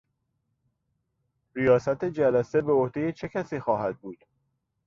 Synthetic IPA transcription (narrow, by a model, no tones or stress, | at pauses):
ɾijɒːsæt̪ʰe̞d͡ʒælæse̞be̞ohd̪e̞je̞t͡ʃʰe̞cʰʲæsiːxɒːɦæd̪̚buːd̪̥